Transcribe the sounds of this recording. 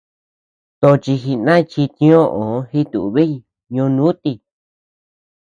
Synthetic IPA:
t̪o˧t͡ʃi˧xi˧nã˦˧t͡ʃi˧t̪ĩ˧˦õ˦ʔõ˨˦hi˦t̪ṵ˨ʔβi˦˧ | ɲõ˧nũ˦t̪i˧

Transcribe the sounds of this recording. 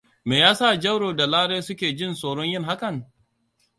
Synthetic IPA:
meː˨jaː˦sa˦˨d͡ʒɐ˦wɽoː˨da˨laː˦ɽeː˦sʊ˦kʲeː˨d͡ʒɪ˦˨nsoː˨ɽɔ˦ɲjɪ˦ŋɦa˦kɐ˨ŋ

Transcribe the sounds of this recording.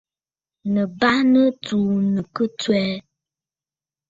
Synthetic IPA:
nə˨ba˦nə˦tu˨nə˨kə˦t͡swɛ˦

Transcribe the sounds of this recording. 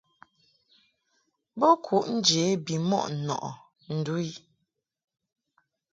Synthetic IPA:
bɔ˦kʰu˨ʔn̩˦d͡ʒeː˨˦bi˨mɔ̰˦ʔ̩˨nɔ̰˨ʔɔ̰˨ | n̩˨du˦i˦

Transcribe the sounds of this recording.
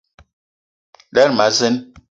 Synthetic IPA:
lɛ˦ɾma˨˦zə˦n

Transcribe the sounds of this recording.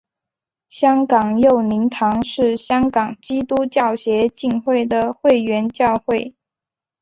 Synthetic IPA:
ɕjɑ˥ŋkɑ˨˩ŋjo˥˩ʊni˧˥ŋt̪ʰɑ˧˥ŋʂɻ̩˥˩ɕjɑ˥ŋkɑ˨˩ŋt͡ɕi˥t̪u˥t͡ɕjɑ˥˩ʊɕjɛ˧˥t͡ɕi˥˧ŋxwe˥˩ɪd̪ə˩xwe˥˩ɪɥɛ˧˥nt͡ɕjɑ˥˧ʊxwe˥˩ɪ

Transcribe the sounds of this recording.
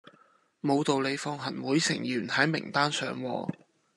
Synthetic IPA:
mo˨˧wt̪o˨wle˨˧jfɔː˧ŋɦɐ˨˩nwuː˨˥jsɪ̰˨˩ŋjyː˨˩nhɐ˨˥jmɪ˨˩ŋt̪aː˥nsœː˨ŋwɔ̰ː˨˧

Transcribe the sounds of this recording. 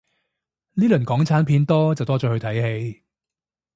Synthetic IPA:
niː˥lɵ˨˩nkɔː˨˥ŋt͡sʰaː˨˥npʰiː˧nt̪ɔː˥t͡sɐ˨wt̪ɔː˥t͡ʃɔː˨˥hɵ˧t̪ʰɐ˨˥jhe˨˧j

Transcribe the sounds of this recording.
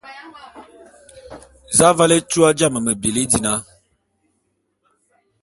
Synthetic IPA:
za˦va˦le˦tu˦a˦d͡ʒa˦˨mə˨mə˨bi˨li˦di˨na˦

